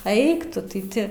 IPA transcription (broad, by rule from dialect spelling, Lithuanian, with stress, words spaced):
ˈɛɪk ˈtʊ tɐɪ ˈtʲɪ